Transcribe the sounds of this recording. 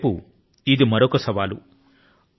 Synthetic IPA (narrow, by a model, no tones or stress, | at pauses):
pu | id̪imɐɾokɐsɐʋaːlṵ